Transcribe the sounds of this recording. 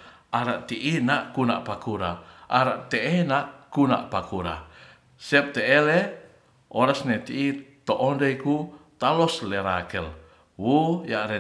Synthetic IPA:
aɾaʔt̪iʔinaʔkuna̰ʔpakuɾaʔaɾaʔt̪eʔɛnaʔkuna̰ʔpakuɾa̰ | sɛp̚t̪ɛʔele | ʔɔɾasnet̪iʔit̪oʔɔndeikut̪alɔslɛɾakəl | wujaʔɾɛ

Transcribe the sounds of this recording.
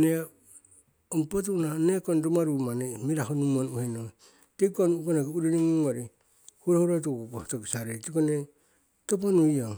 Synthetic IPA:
ne | ompot̬unanekondomaɾumanemiɾahonumonuheno | tekonukonekeuɾinimuŋoɾi | huɾohuɾot̬okotoɡisaɾetikone | toponuioŋ

